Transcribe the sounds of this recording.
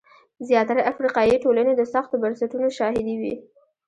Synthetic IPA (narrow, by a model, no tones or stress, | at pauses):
zjɑt̪aɾaʔafɾiqɑjiʈolaned̪əsaxt̪obaɾsaʈunoʃɑɦɪd̪iwḭ